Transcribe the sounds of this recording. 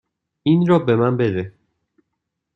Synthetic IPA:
inɾɒbemænbeɾe

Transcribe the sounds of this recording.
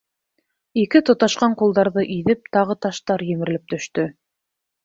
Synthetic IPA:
ikɘt̪ŏt̪ɑʃqɑɴqulˠd̪ɑɾðɤʔiðɘp̚t̪ɑʁɤt̪ɑʃt̪ɑɾjɘ̆mɘ̆ɾɘ̆lɘp̚t̪ɵ̆ʃt̪ɵ

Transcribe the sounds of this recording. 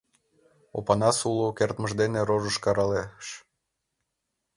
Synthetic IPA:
o̰pɑnɑsulokert̪məʒd̪eneɾoʒəʃkɑɾɑleʃ

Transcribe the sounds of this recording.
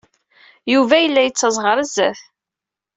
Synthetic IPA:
juvæjəlːæjət͡sːəzˤʁəɾˤəzːæ̰θ

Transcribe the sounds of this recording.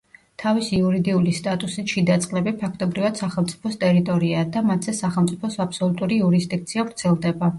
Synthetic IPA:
t̪ʰavisiuɾid̪iulist̪ʼat̪ʼusit̪ʃid̪at̪sʼqʼlɛbipʰakʰt̪ʼɔbɾivad̪̥saχɛlˠmt̪sʼi̥pʰɔst̪ʼɛɾit̪ʼɔɾiad̪amat̪ʰz̥ɛsaχɛlˠmt̪sʼipʰɔsapsɔlˠut̪ʼuɾiuɾisd̪ik̚t̪sʰiavɾt̪sʰɛlˠd̪ɛba

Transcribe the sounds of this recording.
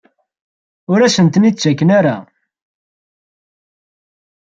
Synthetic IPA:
ʊɾæsənt̪ənit͡sːt͡ʃːækːənaɾa

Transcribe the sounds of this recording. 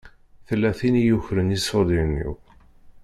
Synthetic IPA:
θəlːæθinijuçɾənisod̪inːḭw

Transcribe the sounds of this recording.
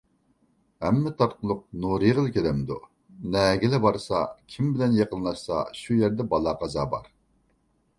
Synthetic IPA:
hɛmːɛt̪ʰɑɾqəlˠʊq̚nuɾiʁəlˠkʲelɛmd̪u | nɛɡʲɪlɛbɑɾsɑ̰kʲʰimbɪlɛnjeqənlˠɑʃsɑ̰ʃujæɾd̪ɛbɑlˠɑqɑzɑːbɑ̰ɾ

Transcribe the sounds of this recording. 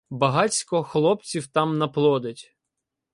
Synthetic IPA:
bɐɦɑt͡sʲkɔxlˠɔpt͡sʲiwt̪ɑmnɐplˠɔd̪etʲ

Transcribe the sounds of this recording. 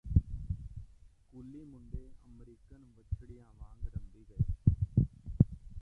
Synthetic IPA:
kʊlːiːmʊɳɖeːʔəmɾiːkaːnũːʋət͡ʃʰɽiːãːʋãːɡɾənd̪iːɡəeː

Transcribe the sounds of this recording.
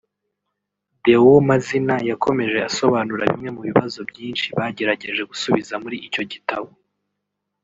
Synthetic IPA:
bewmazinajakʰo̞me̞ʒe̞aso̞βaːnuɾa̰βḭmŋe̞muβiβazo̞bjiːnʃiβaɟe̞ɾaɟe̞ʒe̞ɡusuβizamuɾiʔico̞ɟitaβo̞

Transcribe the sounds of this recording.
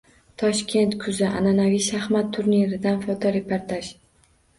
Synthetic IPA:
t̪ʰɒʃkʲʰe̞nt̪kʰʊzɪʔa̰nanavijʃahmat̪ʰːʊɾniɾɪd̪anfɒt̪ʰɒɾe̞pʰoɾt̪ʰaʃ

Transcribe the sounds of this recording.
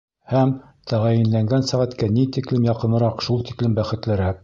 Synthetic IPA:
hæm | t̪ʰæʁæjɘ̆nlæŋɡænsæʁæt̪kænit̪iklɘmjɑqɤ̆nɤ̆ɾɑqʃulˠt̪iklɘmbæχɘ̆t̪lɘ̆ɾæk̚

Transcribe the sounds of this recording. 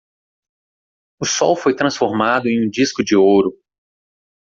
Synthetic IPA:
ʊsɔwfojt̪ɾɐ̃sfoɾmad̪ʊẽj̃ũd͡ʒiskʊd͡ʒɪowɾʊ

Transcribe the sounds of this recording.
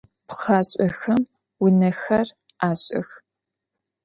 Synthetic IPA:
pχaːɕʼɐxɐm | wʊnɐxɐr | ʔaːɕʼɐ̰x

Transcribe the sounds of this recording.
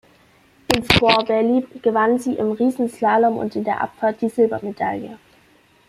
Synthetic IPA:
ʔɪnsfɔɐbɛɐliːɡ̥əvanziːʔɪmʁiːzn̩slaːlɔmʊ̰ntɪndeːɐʔa̰pfaɐt̚d̥iːzɪlbɐmeda̰ljə̰

